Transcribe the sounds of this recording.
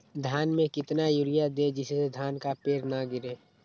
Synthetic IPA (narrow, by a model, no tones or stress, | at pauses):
d̪ʱjaːnmẽkɪt̪najuɾɪjad̪ed͡ʒɪsesed̪ʱjaːnkapeːɾnaɡɪɾeː